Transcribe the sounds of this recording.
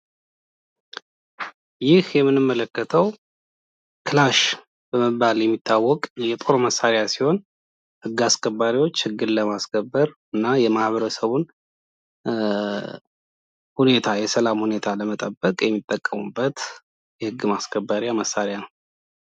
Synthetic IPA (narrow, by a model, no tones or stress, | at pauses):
jɪhjɛmːɨnːɨmːələkːət̪ʰəw | kʰɨlaʃ | b̥əməbːaljɛmːit̪ʰːawːɔkʼjɛt̪ʼo̞ɾoməsːaɾjasiho̞n | hɨɡːaskʰʼəbːaɾiwo̞t͡ʃːhɨɡːɨnləmaskʰəbːəɾɨnːajɛmahβəɾəsəβun | hune̞t̪ʰajɛsəlamhune̞t̪ʰaləmət̪ʼəbːəkʼjɛmːit̪ʼːəkʼːəmubːət̪ | jɛhɨɡːɨmaskʰəbːaɾjaməsːaɾjanəw